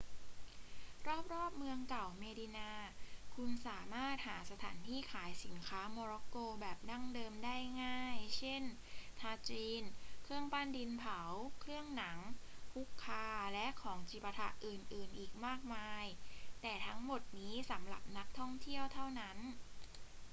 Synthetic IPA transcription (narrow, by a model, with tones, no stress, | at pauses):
ɾɔː˥˩p̚ɾɔː˥˩p̚mɯ˧əŋka˨˩wmeː˧di˧naː˧kʰu˧nsaː˩˦maː˥˩t̪̚haː˩˦sa˧t̪ʰa̰ː˩˦nt̪ʰiː˥˩kʰaː˩˦jsi˩˦nkʰaː˦˥mɔː˧ɾɔ˦˥koː˧bɛː˨˩p̚na˥˩ŋdɤː˧mdaː˥˩jŋaː˥˩jt͡ɕʰe˥˩n | t̪ʰaː˧t͡ɕiː˧nkʰɾɯ˥˩əŋpaː˥˩ndi˧npʰa˩˦wkʰɾɯ˥˩əŋna˩˦ŋpʰu˦˥kʰːaː˧lɛ˦˥ʔkʰɔː˩˦ŋt͡ɕi˨˩pːa˧t̪ʰa̰˧˩ʔʔɯː˨˩nʔɯː˨˩nʔiː˨˩k̚maː˥˩k̚maː˧jt̪ɛː˨˩t̪ʰa˦˥ŋmo˨˩t̪̚niː˦˥sa˩˦mɾa˨˩p̚na˦˥k̚t̪ʰɔ˥˩ŋt̪ʰi˥˩əwt̪ʰa˥˩wna˦˥n